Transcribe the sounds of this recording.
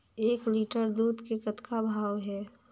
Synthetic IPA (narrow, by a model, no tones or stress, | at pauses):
eːkliːʈəɾd̪uːd̪kekət̪kʰabʱaːwɦɛː